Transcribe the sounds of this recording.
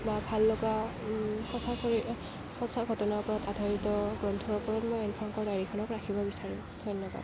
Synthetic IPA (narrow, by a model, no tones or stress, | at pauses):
babʱalːoka | xɔsasɔi | hɔsaɡʱɔtɔnaɹpɔɹatadʱaɹitɔɡɹɔntʰɔɔɹpɔɹatmojɛnpʰɔŋkɔɹdaɹikʰɔnɔkɹakʰibɔbisaɹĩ | d̥ʱɔjnːɔba̰d